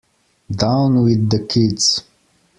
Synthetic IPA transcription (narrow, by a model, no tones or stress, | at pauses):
dãʊ̃nwɪðːəkʰidz̥